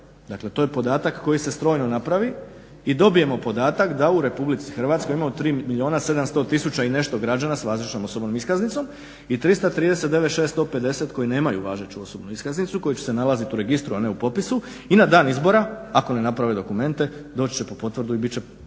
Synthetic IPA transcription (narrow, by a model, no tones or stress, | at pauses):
d̪akle̞t̪o̞je̞po̞d̪aːt̪akːo̞jise̞st̪ɾo̞ːjnonapɾaʋi | id̪o̞bije̞mo̞po̞d̪aːt̪akd̪auɾe̞publit̪si̥xrʋat̪sko̞jimamot̪ɾiːmilʲio̞ːnase̞d̪amst̪o̞ːt̪isut͡ɕaine̞ʃt̪o̞ɡɾad͡ʑanasʋaːzlit͡ʃno̞mo̞so̞bno̞miskaznit̪so̞m | it̪ɾist̪at̪ɾiːd̪e̞se̞t̪d̪e̞ʋeʃeːst̪t̪o̞ːpe̞d̪e̞set̪ko̞jine̞ːmajṵʋaːʒet͡ɕuo̞so̞bnuiskaznit̪suko̞jut͡ɕe̥se̞nalˠazit̪uɾe̞ɡist̪ɾuane̞upo̞pisu | inad̪aːnizbo̞ɾaako̞ne̞napɾaʋed̪o̞kume̞nt̪e̞d̪o̞t͡ɕt͡ɕe̞po̞po̞t̪ʋrd̪uibit͡ɕe